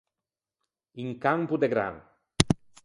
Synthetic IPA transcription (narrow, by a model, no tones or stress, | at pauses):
iŋkampud̪eɡɾa̰ŋ